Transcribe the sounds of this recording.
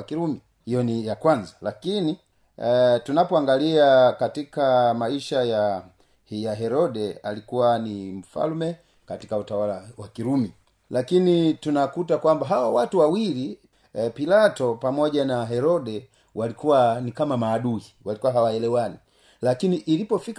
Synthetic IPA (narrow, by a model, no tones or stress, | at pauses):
kiɾumi | hijɔnijakwanzalakini | tunapɔaŋɡaliakatikamaiʃaja | hjaɦɛɾɔɗɛalikuwanim̩fa̰lmɛ | kati̥kautawalawakiɾumi | lakinitunakutakwambaɦawawatuwawili | pilatɔpamɔʄanaɦɛɾɔɗɛ | walikuwanikamamaːɗuhiwalikuwaɦawaɛlɛwani | lakiniʔːlipɔfik